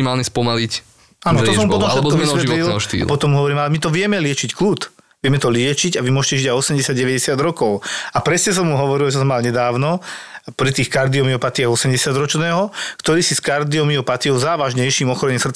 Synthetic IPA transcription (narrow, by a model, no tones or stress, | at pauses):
maːlɲɛspɔmalic | aːnɔt̪ɔssɔmmupɔt̪ɔmʃɛt̪kɔʋisʋɛt̪lilʃt̪ḭːlpɔt̪ɔmuɦɔʋɔɾiːmalɛmit̪ɔʋɪɛmɛlɪɛt͡ʃickluːt̪ | ʋɪɛmɛt̪ɔlɪɛt͡ʃiɟaʋimʊɔʒɛcɛʒiɟajɔsɛmɟɛsjad̪̚ɟɛʋɛɟɛsɪad̪ɾɔkɔʊapɾɛsɲɛs̬ɔmːuɦɔʋɔɾilt͡ʃɛsɔmalɲɛd̪aːʊnɔpɾit̪iːxkaɾd̪iɔmiɔpat̪iaɣɔsɛmɟɛsɪad̪ɾɔt͡ʃnɛːɦɔkt̪ɔɾiːsiskaɾd̪iɔmiɔpat̪iɔʊzaːʋaʒɲɛjʃiːmɔxɔɾɛɲisrt͡s